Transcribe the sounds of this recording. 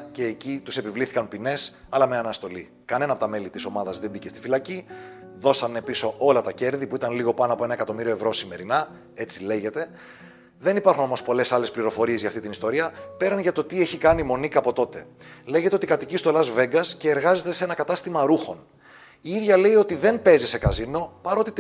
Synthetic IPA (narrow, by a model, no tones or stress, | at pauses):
ce̞ːcit̪use̞pivliθikɐnpine̞s | ɐlɐme̞ɐnɐst̪o̞li | kɐne̞nɐpo̞t̪ɐme̞lit̪iso̞mɐðɐzðembice̞st̪i̥filɐciðo̞sɐne̞piso̞ʔo̞lɐt̪ɐce̞ɾðipuit̪ɐnliɣo̞pɐnoɐpo̞enɐe̞kɐt̪o̞miɾio̞e̞vɾo̞sime̞ɾinɐ | e̞t͡sile̞ʝe̞t̪e̞ | ðe̞nipɐɾxunomo̞spo̞le̞sɐle̞spliɾo̞fo̞ɾie̞zʝɐːft̪it̪inist̪o̞ɾiɐpe̞ɾɐnʝɐt̪o̞t̪ie̞çikɐnimo̞nikɐpo̞t̪o̞t̪e̞le̞ʝet̪e̞o̞t̪ikɐt̪icist̪o̞lɐzve̞ŋɡɐsce̞ːɾɣɐze̞t̪e̞se̞nɐkɐt̪ɐst̪imɐɾuxo̞n | iiðʝɐle̞io̞t̪iðe̞nmpe̞zise̞kɐzino̞pɐɾo̞t̪i